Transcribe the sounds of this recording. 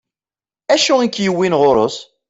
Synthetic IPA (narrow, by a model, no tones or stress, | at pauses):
æʃuikjəwːinʁʊɾˤo̰s